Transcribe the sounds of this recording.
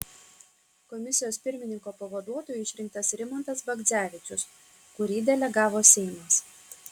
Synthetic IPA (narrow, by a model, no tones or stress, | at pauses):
kɔmʲɪsʲɪjoːspʲɪɾʲmʲɪnʲɪŋkoːpɐʋɐd̪uɔt̪oːjʊɪʃʲɾʲɪŋk̚t̪ɐsɾʲɪmɔnt̪ɐsbɐɡ̪zʲæːʋʲɪt͡ʃʲʊs | kʊɾʲiːd̪ʲɛlʲɛɡɑːʋoːsʲɛɪmɐs